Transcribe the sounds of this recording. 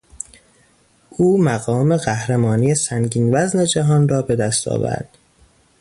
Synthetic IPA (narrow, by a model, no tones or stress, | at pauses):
ʔuːmæɣɒːme̞ɢæhɾemɒːniːesæŋɟiːnvæzne̞d͡ʒæɦɒːnrɒːbe̞d̪æst̪ʰɒ̰ːvæ̰ɾd̪̥